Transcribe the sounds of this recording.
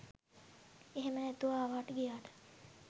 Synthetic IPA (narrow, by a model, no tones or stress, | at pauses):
eɦemənæt̪uʋaːʋaːʈəɡijaːʈə̥